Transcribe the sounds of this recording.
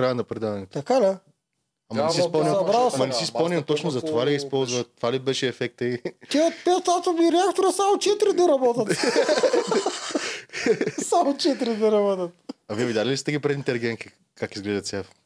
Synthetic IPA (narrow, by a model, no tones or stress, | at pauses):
kɾajɐnɐpɾɛd̪ad̪ɐnɛt̪t̪ɐkala | ɐmɐɛsispɐlˠniɐbaɐmɐnɛsispɐlˠnimt̪ɔt͡ʃnʊzɐt̪ovaliispɔlˠzvɐt̪ːovalibɛʃɛːfɛk̚t̪əit̪iot̪̚pɛt̪sat̪oviɾɛakt̪oɾəsamʊt͡ʃɛt̪ɾid̪ɛɾɐbɔt̪ɐt̪ | samʊt͡ʃɛt̪ɾid̪ɛɾɐbɔt̪ɐt̪̚ɐviɛvid̪ʲjalʲilist̪ɛɡʲipɾɛd̪int̪ɛliɡʲɛŋki | kakizɡlɛʒɐt̪sʲɛf